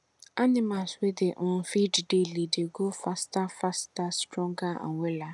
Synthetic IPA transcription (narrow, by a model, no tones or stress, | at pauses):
anɪmaswedeʔ̩fiddelideɡofastafastastɾɔ̃ŋɡaa̰nwʷela